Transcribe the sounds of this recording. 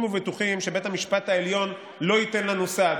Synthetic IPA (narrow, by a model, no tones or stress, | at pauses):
muvetuχimʃe̞be̞thamiʃpat̪aeljo̞n | lo̞ite̞nlanusa